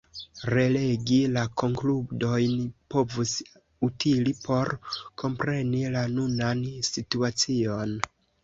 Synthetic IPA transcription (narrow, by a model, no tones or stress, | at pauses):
ɾe̞le̞ɡilako̞ŋkludo̞jnpo̞vus | utʰilipʰo̞ɾkʰo̞mpɾe̞nilanunansituat͡sio̞n